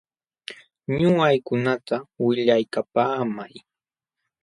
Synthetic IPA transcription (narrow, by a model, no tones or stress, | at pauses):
ɲʊɢajkʊnat̪awɪʎajkapaːmaj